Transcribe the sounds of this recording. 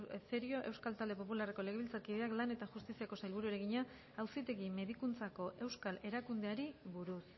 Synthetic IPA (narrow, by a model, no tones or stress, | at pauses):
fe̞ɾio̞ʔe̞wskalt̪ald̪e̞po̞pulare̞ko̞leɣe̞βilt͡saɾkiðe̞aklane̞t̪aʝust̪isiako̞sajlβuɾueɾe̞ɣiɲa | awsit̪e̞ɣime̞ðikunt͡sako̞ʔe̞wskale̞ɾakund̪e̞aɾiβuɾus